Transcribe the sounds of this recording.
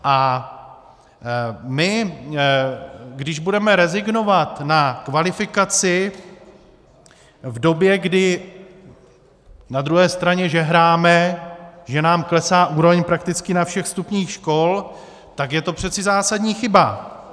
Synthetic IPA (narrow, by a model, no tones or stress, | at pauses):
ʔa | mɪ | ɡdɪʒbudɛmɛɾɛzɪɡno̞vat̪nakvalɪfɪkat͡sɪ | vdo̞bjɛɡdɪ | nad̪ɾuɦɛːst̪ɾaɲɛʒɛɦɾaːmɛʒɛnaːmklɛsaːʔuːɾovɛɲpɾakt̪ɪt͡skɪnafʃɛxst̪upɲiːxʃko̞l | t̪akjɛt̪o̞pr̝̥ɛt͡sɪzaːsadɲiːxɪba